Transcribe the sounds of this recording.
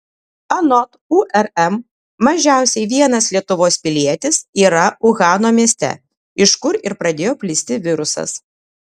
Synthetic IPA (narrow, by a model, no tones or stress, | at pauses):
ɐnɔt̪uʔɛɾɛmː | ɐʒʲæˑʊsʲɛɪʋʲiɛnɐslʲiɛt̪ʊʋoːspʲɪlʲiɛt̪ʲɪsiːɾɐʊɣɑːnoːmʲiɛsʲt̪ʲɛ̰ | ɪʃkʊɾɪɾpɾɐd̪ʲeːjoːpʲlʲɪsʲt̪ʲɪʋʲɪɾʊsɐ̰s